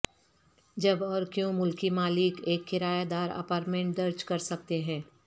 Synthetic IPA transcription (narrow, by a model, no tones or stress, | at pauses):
d͡ʒɐbɔːɾkjõːmʊlkimaːlɪkeːkxɪɾaːjad̪aːɾɐ̰paːɾʈmẽɳʈ̚dɐɾd͡ʒkɐɾsɐk̚t̪eɦɛ̃ː